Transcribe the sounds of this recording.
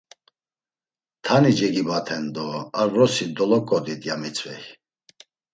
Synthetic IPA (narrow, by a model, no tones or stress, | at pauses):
t̪ʰanid͡ʒɛɡibat̪ʰɛnd̪ɔaɾɾɔsid̪ɔlɔkʼɔd̪id̪jamit͡sʼvɛj